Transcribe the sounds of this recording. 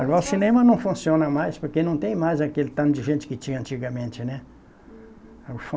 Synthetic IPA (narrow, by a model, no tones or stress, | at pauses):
aɡɔɾɐusinẽmɐnɐ̃w̃fũsiõnɐmajspoɾkenɐ̃w̃t̪ẽj̃majzɐkelɪt̪ɐ̃nʊd͡ʒɪʒẽnt͡ʃɪ̥kɪt͡ʃĩɲɐ̃nt͡ʃiɡɐmẽnt͡ʃɪnɛ | auf